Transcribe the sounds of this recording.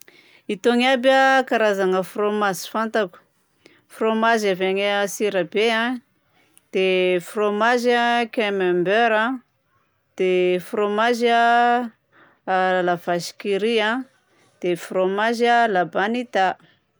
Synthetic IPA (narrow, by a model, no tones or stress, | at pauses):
it̪oŋabəkaɾazaŋəfromazifant̪aku̥ | fromazaveŋsiɾəbeã | d̪̥efromaʒakemembøɾa | d̪̥efromaʒa | alavaʃi̥kiɾia | d̪̥efromaʒəlabanit̪a